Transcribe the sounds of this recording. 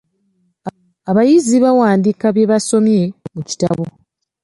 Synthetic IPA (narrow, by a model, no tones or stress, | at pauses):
aβajiziβawaːndikaβje̞βaso̞mje̞muci̥ta̰βo̞